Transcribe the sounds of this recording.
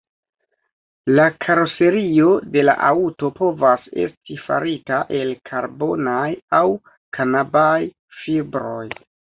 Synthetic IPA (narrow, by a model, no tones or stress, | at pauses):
lakʰaɾose̞ɾio̞de̞la̰ʔauto̞po̞vase̞̰stifa̰ɾitaʔe̞lkʰaɾbo̞najaw | kʰanabaj | fibɾo̞j